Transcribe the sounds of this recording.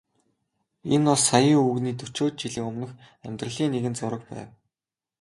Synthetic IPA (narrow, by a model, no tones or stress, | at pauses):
enɔɮsajiːŋuːɣniːt̪ɵt͡ɕoːt̪̚t͡ɕiɮɘ̆ŋʊmnɞ̆x | æmʲt̪rə̆ɮiːŋneɣɘ̆nt͡sʊɾə̆k̚pæ̰ːw